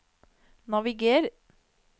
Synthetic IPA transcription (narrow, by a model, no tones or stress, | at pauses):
nɑʋɪɡeːɾ